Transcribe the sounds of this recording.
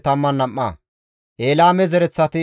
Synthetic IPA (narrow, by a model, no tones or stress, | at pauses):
t̪ɐmːɐnːɐmːa̰ː | ʔeːlaːmɛzɛɾɛt͡sːɐt̪ɪ